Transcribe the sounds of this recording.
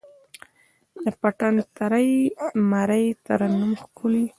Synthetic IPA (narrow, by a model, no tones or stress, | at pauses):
d̪əpaʈant̪aɾajmaɾajt̪aɾanumxkʰʊli